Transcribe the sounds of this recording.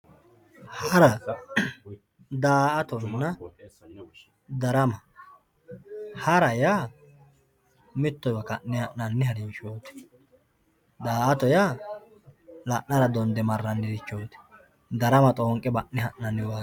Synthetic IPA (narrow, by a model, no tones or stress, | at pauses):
hɐɾɐ | d̪aːʔɐt̪ɔnːɐ | d̪ɐɾɐmɐ | hɐɾɐjaː | mɪt̪ːɔjwɐkɐnːɪhɐʔnɐnːɪhɐɾɪnʃoːt̪ɛ̥ | d̪aːʔɐt̪ɔjaː | lɐʔnɐɾɐd̪ɔnd̪ɛmɐrːɐnːɪd̪ɪt͡ʃːoːt̪ɛ̥ | d̪ɐɾɐmɐt̪ʼoːŋkʼːɛbɐʔnɪhɐʔnɐnːɪwaː